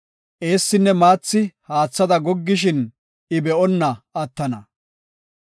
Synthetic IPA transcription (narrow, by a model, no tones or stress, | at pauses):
ʔe̞ːsːɪnːɛmaːt͡sːɪhaːt͡sːɐd̪ɐɡɔɡːɪʃ̬ɪn | ɪbɛʔɔnːɐɐt̪ːɐnɐ